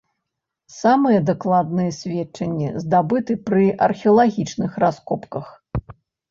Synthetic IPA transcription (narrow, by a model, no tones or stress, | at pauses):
samɨjɛd̪aklˠad̪nɨjɛsʲvʲɛt̚t͡ʂɐnʲːɛ̰zd̪abɨt̪ɨpɾɨʔɐ̰rxʲɛɐlˠaɣʲit͡ʂnɨxɾaskɔpkɐx